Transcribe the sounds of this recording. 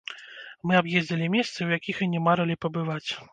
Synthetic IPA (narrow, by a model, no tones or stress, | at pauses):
mɨabjezʲd͡zʲɐlʲimʲɛst̪sɨwjakʲixɨnʲɛmaɾɐlʲipɐbɨvat͡sʲ